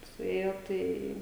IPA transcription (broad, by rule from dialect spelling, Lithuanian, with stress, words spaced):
sʊˈeːjoː ˈtɐɪ